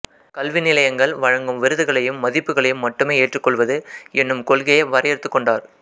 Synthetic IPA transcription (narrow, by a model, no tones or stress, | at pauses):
kɐlʋɪnɪlɐjɐŋɡɐɭʋɐɻɐŋɡɯmʋɪɾɯðɯɣɐɭɐjɯmːɐðɪpːɯɣɐɭɐjɯmːɐʈːɯmeːeːʈrɯkːɔɭʋɐðɯʔɛnːɯmkɔlɣɐjɐʋɐɾɐjɐɾɯt̪ːɯkːɔɳɖaːɾ